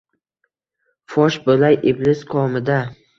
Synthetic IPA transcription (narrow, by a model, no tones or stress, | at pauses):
fɒʃbolajʔɪblɪzqʰɒmɪd̪a